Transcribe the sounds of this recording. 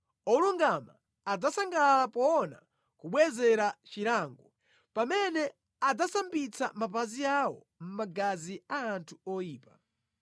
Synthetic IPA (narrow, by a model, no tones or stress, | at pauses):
ɔluŋɡama̰ː | d͡zasaŋɡalapɔːna̰ | kuɓwɛzɛɾat͡ʃiɾaŋɡɔ | pamɛnɛ | ad͡zasambit͡samapaziawɔ̰ | m̩maɡaziaːntʰuɔjiːpa